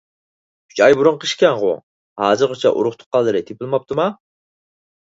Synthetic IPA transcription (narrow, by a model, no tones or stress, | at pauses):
kʰy̥t͡ʃɑjbuɾʊɴqʰəʃkʲɛnʁʊ̰ | hɑːzɨɾqʰot͡ʃʰɛ̰ʔṵɾʊχt̪ʰʊ̥qːɑlˠːɨɾɨt̪ʰepʰɪlˠmɑp̚t̪ʰɨmɑ